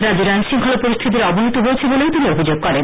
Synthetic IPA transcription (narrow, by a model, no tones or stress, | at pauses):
ɾad͡ʑiɾanʃiŋkʰɔlopoɾist̪ʰit̪̬iɾɔbʱiɦit̪oɦojet͡ɕʰeboleot̪iniobʱid͡ʑoɡ̚kɔɾen